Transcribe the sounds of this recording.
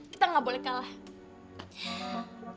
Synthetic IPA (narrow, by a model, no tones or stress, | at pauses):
kit̪aŋɡabolɛhkalah